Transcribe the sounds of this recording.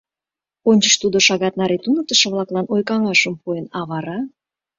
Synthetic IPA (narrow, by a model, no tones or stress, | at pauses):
onʲt͡ɕəʃt̪ud̪oʃɑɣɑt̪nɑɾet̪unək̚t̪əʃə̆βlɑklɑnojkɑŋɑʃəmpuenɑβɑɾɑ